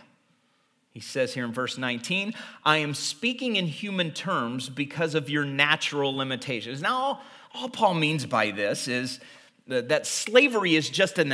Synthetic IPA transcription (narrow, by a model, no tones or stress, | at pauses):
hisɛz̥hiɹɨ̃nvɜ˞snãɪ̃ntʰĩnʔaɪɨ̃mspikɪ̃ŋɨ̃nhjʉmɨ̃ntʰɜ̃˞mzbɨkʰʌzʌvjə˞næt͡ʃɹl̩ˠlɪ̃mɨtʰeɪʃɨ̃nznaʊ | ɔlˠpʰɔlˠmĩnzbaɪðɪsɪz | ðɨtsleɪvə˞iɨzd͡ʒʌstɨ̃n